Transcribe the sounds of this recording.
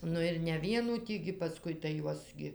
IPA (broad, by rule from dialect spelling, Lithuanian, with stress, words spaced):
ˈnʊ ɪr nʲɛ ˈʋʲiɛnuː ˈtʲiː ɡʲɪ pɐˈskʊɪ tɐɪ ˈjuɔs ɡʲɪ